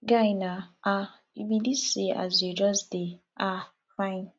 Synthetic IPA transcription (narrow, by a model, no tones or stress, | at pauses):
ɡainaa | ibidisia̰zedɔzde | a | fajn